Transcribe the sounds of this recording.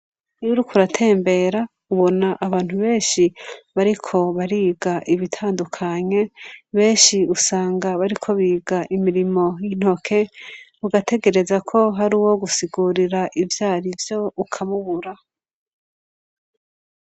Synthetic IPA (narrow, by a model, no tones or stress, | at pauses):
ijuɾukuɾatʰe̞ːmbe̞ɾa | uβo̞naʔaβaːn̥huβe̞ːnʃiβaɾikʰo̞βaɾiːɡaʔiβitʰaːndukʰaɲe̞βe̞ːnʃiusaːŋɡaβaɾikʰo̞βiːɡaʔimiɾimo̞jin̥ho̞kʰe̞ | uɡatʰe̞ɡe̞ɾe̞zakʰo̞ɦaɾiːwo̞ɡusiɡuɾiɾaʔivjaːɾivjo̞ukʰamuβuɾa